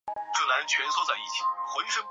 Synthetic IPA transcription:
ʈ͡ʂɤ˥˩na˧˥nt͡ɕʰɥɛ˧˥nswɔ˥˧t͡sa˥˩ɪi˥˩t͡ɕʰi˨˩˦xwɔ˧˥y˥ʂə˥˩

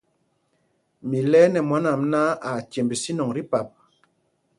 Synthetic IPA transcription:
mi˨lɛː˦nɛ˨mwa˨˦na˨mna˦a˨tje˨mbi˨si˦nɔ˨ŋɾi˦pa˨p̚

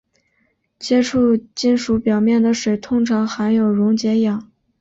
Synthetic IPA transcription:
t͡ɕjɛ˥ʈ͡ʂʰu˥˩t͡ɕi˥˩nʂu˧˥pjɑ˨˩ʊmjɛ˥˩nd̪ə˩ʂwe˨˩ɪt̪ʰʊ˥ŋʈ͡ʂʰɑ˧˥ŋxa˧˥njo˨˩ʊɻʊ˧˥ŋt͡ɕjɛ˧˥jɑ˨˩˦ŋ

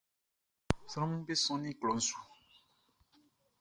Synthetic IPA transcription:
sa˨ã˦mĩ˦be˦sɔ̃˦nĩ˦˨klɔ˨n̩˦su̥˨

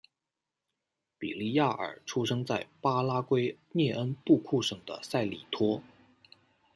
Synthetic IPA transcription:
pḭ˨˩li˥˧ja˥˩ʔə̰˞˨˩ʈ͡ʂʰu˥ʂɤ˥ŋt͡sa˥˩ɪpa˥la˥kwe˥ɪnjɛ˥˩ʔə˥npu˥˧kʰu˥˩ʂɤ˨˩ŋd̪ə̰˨˩sa˥˩ɪli˨˩t̪ʰwɔ˥

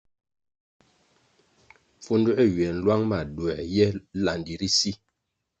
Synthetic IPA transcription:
fu˦ndu˦ʔe˦˨ɥɛ˨n̩˦lwa˦ŋma˨dwɛ˨jɛ˦la˨ndi˨ɾi˦si˦

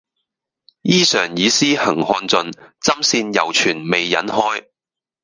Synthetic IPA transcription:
jiː˥sœː˨˩ŋjiː˨˧siː˥hɐ˨˩ŋhɔː˧nt͡sɵ˨˧nt͡sɐ˥msiː˧njɐ˨wt͡ʃʰyː˨˩nme˨jːɐ̰˨˥nhɔː˥j

